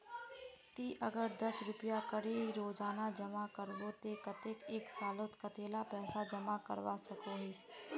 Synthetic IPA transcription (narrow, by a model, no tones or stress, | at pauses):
t̪iːʔəɡəɾd̪əsɾʊpjakəɽeiɾoːzaːnad͡ʒəmakəɾboːt̪ekət̪eːkeːksaːlot̪kət̪eːlapɛːsad͡ʒəmakə̰ɾʋasəkoːɦɪs